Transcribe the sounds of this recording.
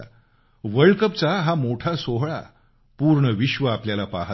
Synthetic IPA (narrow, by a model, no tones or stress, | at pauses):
ʋəɭkəp̚t͡saɦamoʈʰasoɦɭa̰ | puɾɳəʋiɕʋəapljalapaɦ